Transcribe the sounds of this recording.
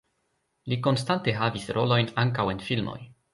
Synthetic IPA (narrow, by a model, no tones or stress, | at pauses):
liko̞nstante̞ɦavisɾo̞̰lo̞jnaŋk̬awe̞nfilmo̰j